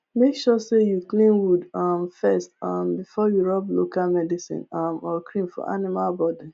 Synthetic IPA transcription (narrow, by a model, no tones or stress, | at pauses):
mekʃɔsejuklĩnwudʌmfɛstʌmbifɔjuɹɔblo̰kalmɛdisḭ̃namɔkɹĩmfɔ̰ʔa̰nimalbɔdi